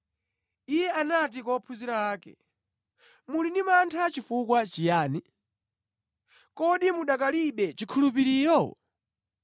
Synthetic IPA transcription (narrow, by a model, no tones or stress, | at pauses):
ijɛanat̬ikɔpʰuziɾawaːkɛ̰ | mulindimantʰat͡ʃifukwat͡ʃijaːni | kɔɗimuɗakaliɓɛt͡ʃikʰulup̬iɾiːɾɔ